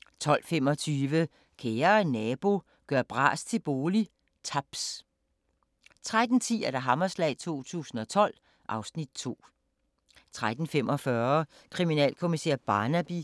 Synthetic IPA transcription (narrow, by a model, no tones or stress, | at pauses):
t͡sʰɒ̽l̰fem̰ɒ̽t͡sʰyːʋə | kʰeːɐnɛːb̥o̝ | ɡ̥ɶɐb̥ʁɑ̰̈ːst͡sʰe̝b̥o̝ːli | t͡sʰæb̥s | t͡sʰʁad̥n̩t͡sʰḭːæɐd̥æɦɑ̈mɐslɛ̰ɪt͡sʰo̝̰ːt͡sʰṵːsn̩ɒ̽t͡sʰɒ̽l̰ | ʔɑ̈ʊsnid̥̚t͡sʰo̝̰ː | t͡sʰʁad̥n̩fem̰ʔɒ̽fɶːɐ | kʰʁiminɛ̰ːlkʰo̝misḛːɐb̥ɑ̈ːnæb̥i